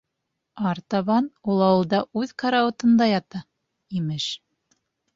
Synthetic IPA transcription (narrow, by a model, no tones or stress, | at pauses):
ɑɾt̪ɑβɑnulˠɑwɤ̆lˠd̪ɑʔʉðkɑɾaŏt̪ɤ̆nd̪ɑjɑt̪ɑ | imɘʃ